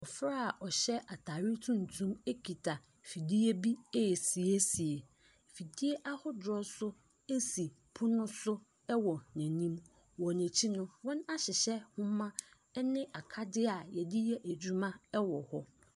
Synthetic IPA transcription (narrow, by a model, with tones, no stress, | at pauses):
ɔ˨fɾa˦˨ʔɔ˨ɕɛ˦ʔa˨tʰaː˨ɾi˦tʰũ˦n̩˨tʰũ˦me˦kʰi˨tʰa˨ | fi˨di˦e˦bi˦e˦˨si˨e˦si˨e˨ | fi˨di˦e˦ʔa˦hʊ˦dɔ˦sʊ˦ | e˦si˨ | pʰʊ˦nʊ̃˦sʊ˦ | ɛ˦wɔ˨næ̃˨nĩ˦m | wɔ˨næ̃˨t͡ɕʰi˦nʊ̃˦wɔ̃˦na˦ɕɪ˨ɕɛ˦hʊ̃˦mːã˦ | ɛ˦nɪ̃˦ʔa˨kʰa˦dɪ˦a˨jɛ˨dɪ˦jɛ˦ʔæ˨d͡ʑᶣu˦mã˦ɛ˦wɔ˨hɔ˦